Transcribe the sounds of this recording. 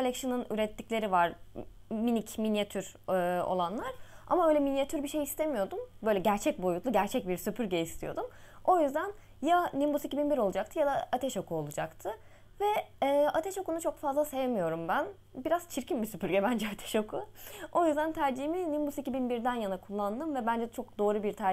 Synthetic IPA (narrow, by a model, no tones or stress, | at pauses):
kʰolʲɛkʃɯnɯny̰ɾɛt̪ʰːiclʲe̞ɾivaɾ | minicminjat̪ʰyɾɯo̰lˠanlˠaɾ̥a̰maø̞ːlʲɛminjat̪ʰyɾbiʃe̞jist̪ʰemijo̞d̪umbø̞jlʲɛɟæɾt͡ʃʰɛc̚bo̞jut̪lˠuɟæɾt͡ʃʰɛc̚biɾsypʰyɾɟɛist̪ʰijo̞̰d̪umo̞jyzd̪æn | janimbusicibinbiɾo̞lˠud͡ʒakt̪ʰɯjad̪aat̪ʰɛʃo̞kuo̞lˠud͡ʒakt̪ʰɯ | vɛːat̪ʰɛʃo̞kunut͡ʃʰo̞kfazlˠase̞jemijo̞ɾumbæn | biɾaz̥t͡ʃʰiɾcimbisypʰyɾɟʲɛbænd͡ʒɛat̪ʰɛ̥ʃokʰuo̞jyzd̪ænt̪ʰæɾd͡ʒiminimbusicibinbiɾd̪ænjanakʰulˠːand̪ɯmvɛbænd͡ʒɛt͡ʃʰo̞k̚d̪o̞ːɾubiɾt̪ʰæ